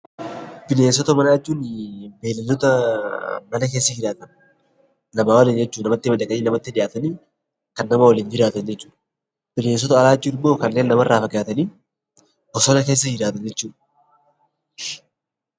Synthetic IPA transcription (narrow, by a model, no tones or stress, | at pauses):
bɪneːns̬ɔt̪ɐmɐnaːɪt͡ʃːuːnbeːlɐlɔt̪ɐ | mɐnɐke̞ːsːɐd͡ʒɪɾaːt̪ɐn | nɐmaːwɐlɪnd͡ʒɛt͡ʃːuːnɐmɐt̪ːɪmɐd̪ɐkɐniːnɐmɐt̪ːɪᶑɪjaːt̪ɐniː | kɐnːɐmɐwɐliːnd͡ʒɪɾaːt̪ɐnd͡ʒɛt͡ʃːu̥ːᶑɐ | b̥ɪne̞ːns̬ɔt̪ɐɐlaːt͡ʃːuɪbːoːkɐnːe̞ːnːɐmɐrːaːfɐɡaːt̪ɐniː | bɔsɔnɐkeːs̬ːɐd͡ʒɪɾaːt̪ɐnd͡ʒɛt͡ʃːuːᶑ